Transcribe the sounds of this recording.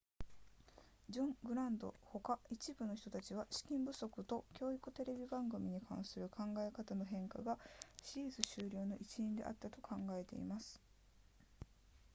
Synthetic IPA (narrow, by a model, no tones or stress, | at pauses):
d͡ʑõ̞ŋɡɯ̟ɾãnd̪o̞̰ho̞kait͡ɕibɯ̟no̞çi̥t̪ot̪at͡ɕiβaɕi̥kʲĩmbɯ̟so̞kɯ̟t̪o̞kʲo̞ːikɯ̟t̪e̞ɾe̞bʲibãŋɡɯ̟mʲiɲ̟ikʰã̰ɰ̃sɨɾɯ̟kʰãŋɡae̞kat̪ano̞ɦẽ̞ŋkaɡaɕiːzɨɕɨːɾʲo̞ːno̞ʔit͡ɕiĩnd̪e̞̰ʔa̰t̪ːat̪o̞kʰãŋɡae̞t̪e̞̰ḭmasɨ̥